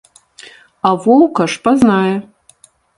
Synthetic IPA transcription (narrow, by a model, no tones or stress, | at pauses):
avowkʰaʂpʼaznajɛ